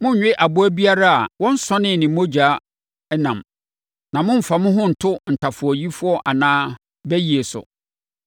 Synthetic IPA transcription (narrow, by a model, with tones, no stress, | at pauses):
mʊ̃˦ɲ̩˨ɲᶣɪ˦ʔa˨bʊ˦æ˦bi˦a˦ɾa˦a̰˨wɔ̃˦n̩˦sɔ̃˦nɪ̃˦˨nɪ̃˨˦mo˦d͡ʑᶣa˨˦ | nã˨m | nã˨mʊ̃˦m̩˨fa˨mʊ̃˦ɦʊ̃˦n̩˨tʰʊ˦n̩˨tʰa˨fʊ˨ɔ˨ji˦fʊ˦ɔ˦ʔa˨nãː˦ | bɛ˦ji˨e˨sʊ̰˨